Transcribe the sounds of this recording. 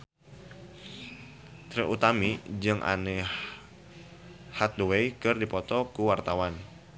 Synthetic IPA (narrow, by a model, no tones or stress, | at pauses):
t̪ɾeʔut̪amid͡ʒɨŋʔa̰ne | hat̪̚duwejkɨrdipɔt̪ɔkuwart̪awan